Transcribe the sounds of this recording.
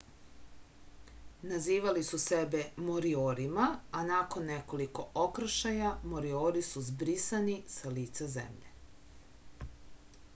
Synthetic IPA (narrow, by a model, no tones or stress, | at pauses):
naziːʋalisusebemoɾioːɾimaanako̞nːeko̞liko̞ʔokr̩ʃajamoɾioːɾisuzbɾisanisaliːt̪sazḛmʎḛ